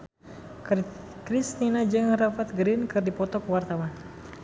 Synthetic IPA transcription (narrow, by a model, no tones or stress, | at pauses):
krisninad͡ʒɨŋrafat̪̚ɡɾinkɨrdipɔt̪ɔkuwart̪awan